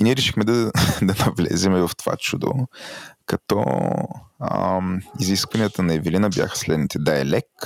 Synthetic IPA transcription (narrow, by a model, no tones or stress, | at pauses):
iniɛɾɛʃixmɛd̪ɐd̪ɐnɐvlɛ̰zɛmɛvɐft̪ova̰t͡ʃud̪o̰kɐt̪ɔ̰ | miziskvɐnijət̪ənɐɛvilinəbja̰xə̥slɛd̪nit̪ɛd̪aɛlɛk